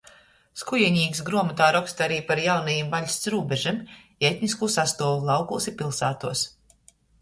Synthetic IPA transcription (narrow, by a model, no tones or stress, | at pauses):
skujɛɲʲiːksɡɾuɔmat̪aːɾɔkst̪aɾiːpaɾjawnajimbaʎʲsʲt̪sɾuːbeʒim | ɛt̪ʲniskuːsast̪uɔvulˠɑwkulˠsipilˠsaːt̪uɔs